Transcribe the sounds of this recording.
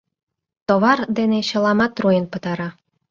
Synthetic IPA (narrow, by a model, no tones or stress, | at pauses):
t̪oβɑrd̪eneɕɤ̆lɑmɑt̪rujənpə̆t̪ɑɾɑ